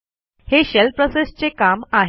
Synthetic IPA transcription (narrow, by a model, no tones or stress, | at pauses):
heɕelpɾosest͡sekamaɦ